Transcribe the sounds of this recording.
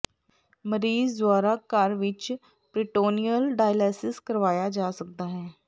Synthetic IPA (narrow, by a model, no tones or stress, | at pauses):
məɾiːzd̪ʋaːɾakaːɾʋɪt͡ʃ | pɾɪʈoːnijəlɖaːjlɛːsɪskɐɾʋaːjad͡ʒaːsɐk̚d̪aɦɛː